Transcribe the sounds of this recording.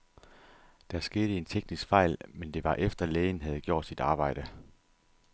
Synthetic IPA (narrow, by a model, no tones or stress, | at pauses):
d̥æsɡ̥e̝ːdɾəe̝nt͡sʰeɡ̥nisɡ̥fɑ̈ɪ̰lmend̥e̝ʋɑ̈ʔefd̥ɐleːɪənɦæð̞̩ˠɡ̥jo̝̰ɐ̰d̥sid̥ɑ̈ːb̥ɑ̈ɪ̰ɾ̥ə